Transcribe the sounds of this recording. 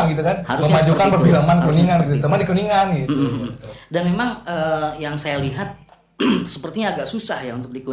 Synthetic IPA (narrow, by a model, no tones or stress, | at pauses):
ŋɡit̪ukanaɾməmad͡ʒukkanpərbilamankuniŋanɡit̪ut̪əmadikuniŋanɡi | danmemaŋəːjaŋsajaliɦat̪̚ | səpərt̪iɲaːɡaʔsusahjaṵnt̪ʊk̚diku